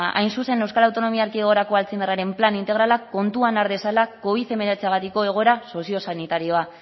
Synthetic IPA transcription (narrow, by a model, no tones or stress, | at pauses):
ʔa̰jnsuse̞ne̞wskalawt̪o̞no̞miaaɾkieɣ̞o̞ɾako̞alt͡simeraɾe̞mplanint̪e̞ɣ̞ɾalako̞nt̪uanaɾðe̞salako̞βiθe̞me̞ɾet͡seaɣat̪iko̞e̞ɣ̞o̞ɾaso̞sio̞sanit̪aɾio̞a